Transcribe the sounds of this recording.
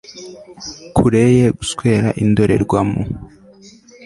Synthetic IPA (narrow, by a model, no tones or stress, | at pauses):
kʰuɾejeɡuskweːɾaʔindoɾe̞̰ɾɡwamṵ